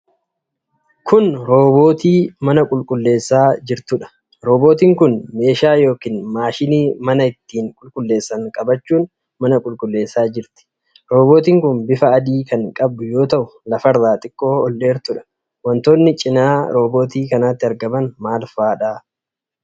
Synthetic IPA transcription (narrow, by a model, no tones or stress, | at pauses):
kʰʊnɾo̞ːbo̞ːt̪iːmɐnɐkʼʊlkʼʊlːe̞ːsːaːd͡ʒɪɾt̪ʊᶑɐ̥ | ɾo̞ːbo̞ːt̪iːŋkʊnme̞ːʃaːjo̞ːkiːnmaːʃɪniːmɐnɐɪt̪ːiːŋkʼʊlkʼʊlːe̞ːsːɐŋkʼɐbɐt͡ʃːuːn | mɐnɐkʼʊlkʼʊlːe̞ːsːaːd͡ʒɪɾt̪ɪ̥ | ɾo̞ːbo̞ːt̪iːŋkʊnbɪfɐːd̪iːkɐŋkʼɐb̚d̪ʊjo̞ːt̪ɐʔʊlɐfɐrːaːt̪ʼɪkʼːo̞ːɔlːe̞ːɾt̪ʊᶑɐ̥ | wɐnt̪o̞ːnːɪt͡ʃʼɪnaːɾo̞ːbo̞ːt̪iːkɐnaːt̪ːɪɐɾɡɐmɐnmaːlfaːᶑaː